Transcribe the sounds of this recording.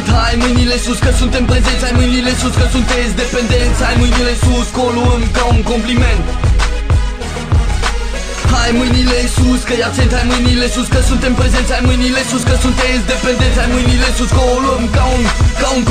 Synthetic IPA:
t̪hajmujnilesuskɐsũnt̪ẽmpɾezẽnt̪sajmujnilẽsuskɐsũnt̪ẽzd̪epẽnd̪ẽt̪sajmujnilesuskõluɐmkãũŋkõmplimẽnt̪ | hajmujnilesuskɐjaʁsẽnt̪hajmujnilesuskɐsũnt̪ẽmpɾezẽnt̪sajmujnilesũskɐsũnt̪ẽzd̪epẽnd̪ẽnt̪sajmujnilesuskõluɐmkaũkaũ

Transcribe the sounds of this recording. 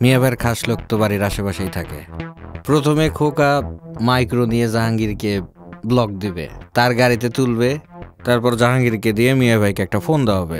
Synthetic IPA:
miabʱaeɾkʰaʃlok̚t̪obaɾiɾaʃebaʃejt̪ʰakḛpɾot̪ʰomekʰokamajkɾonijed͡ʑaɦaŋɡiɾke | blɔk̚d̪ibḛt̪aɾɡaɾit̪̬et̪ulbet̪aɾpɔɾd͡ʑaɦaŋɡiɾked̪iemiabʱajkeɛk̚ʈafond̪aaɦɔbḛ

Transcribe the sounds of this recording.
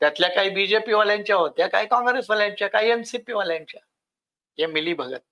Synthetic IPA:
t̪jat̪ljakaɦiːbid͡ʑepiʋaljãɲt͡ɕjaɦot̪jakaɦikɔŋɡɾesʋaljãɲt͡ɕjakaiemsipiʋaljãɲt͡ɕa | jemiliːbʱəɡə̰t̪̚

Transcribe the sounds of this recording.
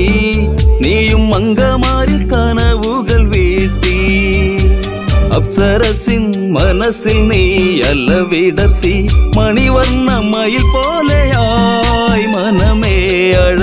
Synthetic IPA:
niːjɯmːɐŋɡɐmaːɾɪlkaːnɐʋɯɣɐlʋiːʈːi | ɐ̰psɐɾɐsin | mɐnɐsilniːjɐlːɐʋiːɽɐt̪ːimɐɳiʋɐɾnɐmːɐjɪlpoːleaː | jmɐnɐmeː | ɐɻ

